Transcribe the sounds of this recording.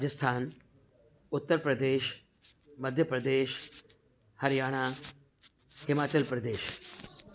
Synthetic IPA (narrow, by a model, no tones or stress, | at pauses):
ɾad͡ʒəst̪ʰaːn | ʊt̪ːəɾpɾəd̪eːʃ | mɐd̪ʱjəpɾɐd̪eːʃ | hɐɾjaːɽ̃aː | hɪmaːt͡ʃəlpɾɐd̪eːʃ